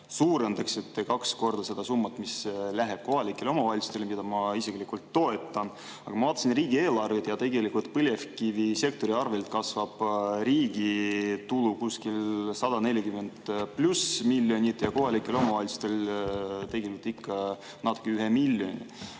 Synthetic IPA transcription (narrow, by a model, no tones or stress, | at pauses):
suːɾend̪ɑkset̪ːekɑksko̞rd̪̥ɑse̞d̪̥ɑsumːɑt̪mislæɦeb̥̚ko̞ɦɑlikːˑelo̞mɑvɑlʲsu̥t̪e̞lmid̪ɑmɑisiklikult̪ːo̞e̞t̪ːˑɑn | ɑ̰ɡ̥ɑmɑvɑːt̪ːˑɑsinriːɡ̥ie̞ːlɑrvid̪jɑt̪e̞ɡe̞likult̪̚pɤlʲjefkivise̞k̚t̪o̞ɾiɑrvelt̪̚kɑsvɑb̥riːɡ̥it̪ulukuskilsɑd̪ɑne̞lʲjiɑkymːend̪̥plusmilʲːjo̞nʲit̪jɑko̞ɦɑlikːˑelo̞mɑvɑlʲsu̥t̪elt̪e̞ɡelikut̪ːikːɑ | nɑt̪ːˑu̥kːˑeyɦemilʲːjo̞nʲḭ